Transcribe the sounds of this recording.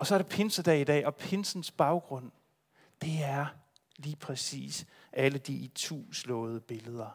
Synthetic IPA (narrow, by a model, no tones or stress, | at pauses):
ɒ̽sɒ̽ɐɾ̥e̝pʰe̝nsəd̥ɛ̰ːid̥ɛ̰ːɒ̽pʰe̝nsn̩sb̥ɑ̈ʊɡ̥ʁɔ̽n̰ | d̥e̝æɐ | liːpʰʁɛsḭːs | ʔæləd̥it͡sʰṵːslɔ̽ːð̞̩ˠəb̥e̝ləð̞ˠɐ